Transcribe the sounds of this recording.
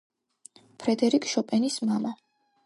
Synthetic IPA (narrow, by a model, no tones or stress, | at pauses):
pʰɾɛd̪ɛɾikʼʃɔpʼɛnismama